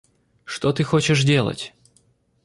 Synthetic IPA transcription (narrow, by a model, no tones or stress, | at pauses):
ʂt̪ot̪ɨxot͡ɕɪʂdʲe̞lˠə̰tʲ